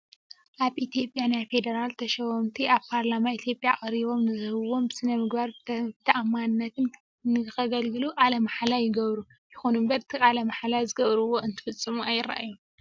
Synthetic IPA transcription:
ʔaβʔit̪ʰijo̞pʼjanajfe̞d̪ɐɾalt̪ʰɐʃɐwɐmt̪ʰiʔaβpʰaɾlamait̪ʰjo̞pʼjakʼɐɾiβo̞mnɨzɨhɨβo̞msɨnɐmɨɡbaɾbɨt̪ʰɐʔamːanɨnːɐt̪ʰɨn | nɨɨxɐɡɐlɡɨluʔʼalɐmaħlajɪɡɐβɾu | jɪxonumbɐɾɨt̪ʰiʔʼalɐmaħalazɨɡɐβɾɨwo̞ɨnt̪ʰɨ̥fɨt͡sʼːɨmuajːɪɾa̰ʔa̰jːu

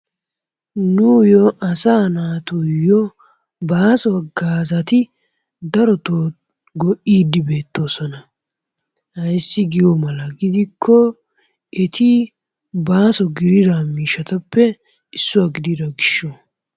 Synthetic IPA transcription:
nʊjɔʔɐsaːnaːt̪ujɔ | baːsɔɡaːzɐt̪ɪ | d̪ɐɾɔt̪o | ɡɔʔiːd̪ɪbe̞ːt̪ːo̞ːsɔnɐ | hɐjsːɪɡɪjɔmɐlɐɡɪd̪ɪkʰːɔ | ɛt̪ʰɪ | baːsɔɡɪɾɪd̪amiːʃɐt̪ɐpːɛ | ɪsːʊwaɡɪd̪ɪd̪ɐɡɪʃːo

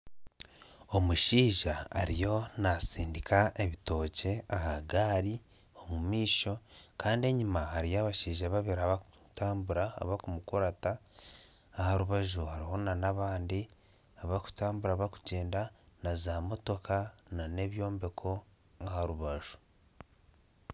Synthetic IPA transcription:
o̞muʃiːʒaa̰ɾijo̞nasiːndikʰae̞βito̞ːce̞ahaɡaːɾi | o̞mumiːʃo̞kʰaːndie̞ɲimahaɾijaβaʃiːʒaβaβeɾaβakutaːmbuɾa̰ːβakumukoɾataː | haɾuβaʒuhaɾiho̞nanaβaːndi | aβaku̥taːmbuɾaβaku̥ɟe̞ːndanazamo̞to̞kʰanane̞βjo̞ːmbe̞kʰo̞ | ahaɾuβaʒu̥

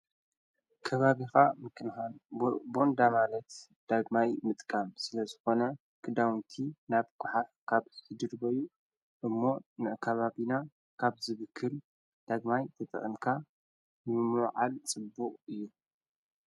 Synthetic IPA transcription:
kʰɐβaβixamɨkʰɨnxanbo̞nd̪amalɐt̪ | d̪̥aɡmajmɨt̪ʼkʼamsɨlɐzɨxo̞nɐ | kʰɨd̪awnt̪ʰinaβkʰʷʼʊħafkʰaβħɨd̪ɨɾbɐju | ʔɨmːo̞nɨʔkʰɐβaβina | kʰaβzɨβɨkʰːɨl | d̪̥aɡmajt̪ʰɐt̪ʼɨ̰χʼɨnkʰa | nɨmɨmɨwʕalt͡sʼɨbːuqʼɨjːu

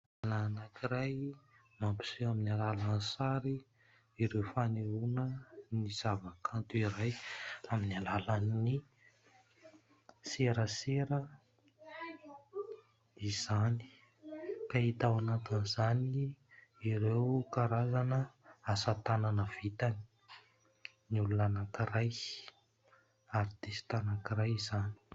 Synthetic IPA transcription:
alanakiɾaj | mampi̥suaminalalansaɾi | iɾewfaneunəniz̥avakʰant̪uiɾajaminalalanni | seɾəseɾə | iz̥ani̥ | kait̪awanat̪inzaniiɾewkaɾazanəasat̪ananəv̥it̪ani̥ | niulunanakiraj | aɾid̪esi̥t̪anakiɾajizani̥

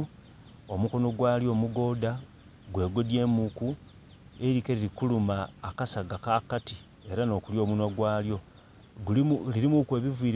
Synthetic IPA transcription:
o̞muko̞no̞ɡwaːljo̞ːmuɡo̞ːda | ɡwe̞ːɡo̞dje̞ːmuku | eɾikeɾiɾikulumaːkasaɡakakati | e̞ɾano̞ːkuljo̞ːmunwaɡwaːljo̞ | liɾimukwe̞ːβiviːɾ

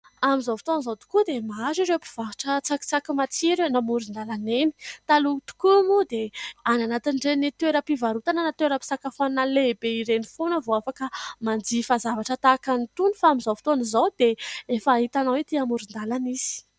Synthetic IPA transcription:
amizovi̥t̪onizowt̪u̥kud̪emaɾiɾepi̥v̥aɦaʈ͡ʂət͡saki̥t͡sakimat͡siɾenamuɾind̪alaneni̥t̪alut̪u̥kumud̪eananat̪inɖ͡ʐenit̪weɾəpivaɾut̪ananat̪weɾəpi̥sakafannalebeiɾenifonəvoafakəmand͡zifazavaʈ͡ʂət̪akant̪unifaamizovi̥t̪onizowd̪eefaɦit̪anawet̪iamuɾind̪alanisi̥

